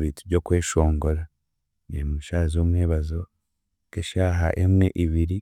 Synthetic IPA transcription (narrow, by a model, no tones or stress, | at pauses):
βitubɟo̞kwe̞ːʃo̞ːŋɡo̞ɾa | nemuʃaːzoːmweːβazo̞ | keʃaːɦa̰ʔemŋeʔiβiɾi